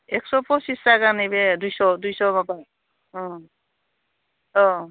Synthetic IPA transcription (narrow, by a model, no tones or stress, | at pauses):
ɛksɔpɔsistaɡanebɛdujsɔdujsɔbapa | ɔ̃ | ɔ